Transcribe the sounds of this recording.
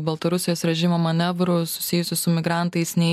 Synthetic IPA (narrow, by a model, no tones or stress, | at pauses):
bɐlˠt̪ɐɾʊsʲɪjoːsɾʲɛʒʲɪmoːmɐnʲɛʋɾʊsʊ̥sʲɪjʊsʲɪsʊmʲɪɡɾɑˑnt̪ɐɪsnʲɛɪ